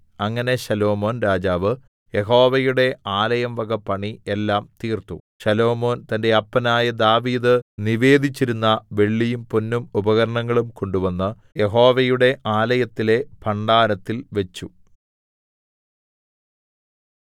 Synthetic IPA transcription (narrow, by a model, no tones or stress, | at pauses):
ɐŋːɐne̞ɕɐlo̞ːmo̞ːnɾaːd͡ʑaːʋɨ | je̞ɦo̞ːʋɐjuɽe̞aːlɐjɐmʋɐɡɐpːɐɳielːaːmt̪iːrt̪u | ɕɐlo̞ːmo̞ːnt̪ɐnde̞ɐpːɐnaːjɐd̪aːʋiːd̪ɨniʋe̞ːd̪ʱit͡ɕːiɾunːɐʋe̞ɭːijumponːumubɐɣɐɾɐɳɐŋːɐɭumko̞ɳɖuʋɐnːɨ | je̞ɦo̞ːʋɐjuɽe̞ʔaːlɐjɐt̪ːile̞pʰɐɳɖaːɾɐt̪ːilʋet͡ɕːu